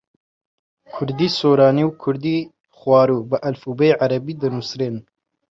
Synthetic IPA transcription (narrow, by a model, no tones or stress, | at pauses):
kʰʊɾd̪iːsoːɾɑːniwkʰʊɾd̪iː | xwɑːɾuːbɨʔɐlfuːbeʕaɾɐbiːd̪ɨnusɾeːn